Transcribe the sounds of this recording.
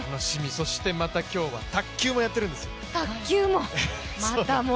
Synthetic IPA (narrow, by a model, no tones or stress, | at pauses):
anoɕimʲiso̞ɕi̥t̪e̞mat̪akʲo̞ːβa̰t̪akʲːɨːmo̞jat̪ːe̞ɾɯ̟̃nd̪e̞sɨjot̪akʲːɨːmo | mat̪amo